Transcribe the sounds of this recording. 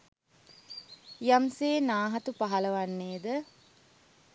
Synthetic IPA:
jamseːnaːɦɐt̪upaɦɐlɐʋanːeːd̪ə

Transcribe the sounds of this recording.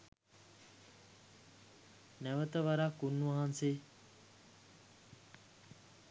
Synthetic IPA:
nɛʋət̪əʋaɾaːkunːuʋaɦanseː

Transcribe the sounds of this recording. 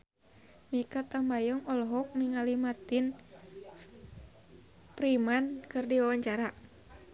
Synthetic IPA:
mikat̪ambajɔŋɔlɔɦɔk̚niŋalimart̪in | pɾimankɨrdiwawaɲt͡ʃaɾaʔ

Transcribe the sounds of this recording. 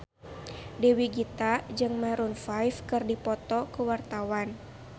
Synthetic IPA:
dewiɡit̪ad͡ʒɨŋmaɾunfajfkɨrdipɔt̪ɔkuwart̪awan

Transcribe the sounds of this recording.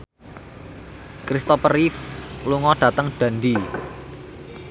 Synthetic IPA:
kɾist̪ɔpərɾifluŋɔɖ̥ä̤t̪əŋɖ̥a̤ndi

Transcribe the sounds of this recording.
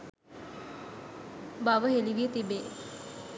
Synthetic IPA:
baʋəɦeliʋiet̪ibeː

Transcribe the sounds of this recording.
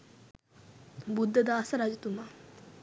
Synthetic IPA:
bud̪ad̪aːsaɾad͡ʑit̪uma

